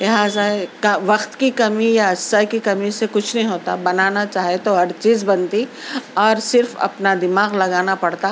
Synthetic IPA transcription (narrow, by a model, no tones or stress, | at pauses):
lɪɦaːzakɐʋɐqt̪kikɐmijaɐsakikɐmisekʊt͡ʃʰnɐɦĩɦoːt̪abɐnaːnat͡ʃaːɦiet̪oɦɐɾt͡ʃiːzbɐnt̪iɔːɾsɪɾfɐ̰pnad̪ɪmaːɣlɐɡaːnapɐɽt̪a